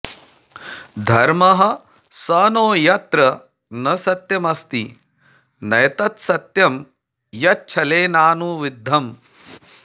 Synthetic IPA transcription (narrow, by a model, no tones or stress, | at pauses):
d̪ʱɐɾmɐɦɐ̆ | sɐːnoːjɐt̪ɾɐ | nɐsɐt̪jɐmɐst̪i | nɐjɐt̪ɐt̪sɐt̪jɐm | jɐt͡ʃʰɐleːnaːnuːʋid̪ʱːɐm